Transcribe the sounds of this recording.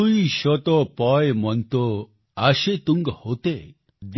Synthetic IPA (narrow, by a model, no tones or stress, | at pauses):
ujʃɔt̪ɔpɔjmɔnt̪ɔ | aʃet̪uŋɡhot̪e | d̪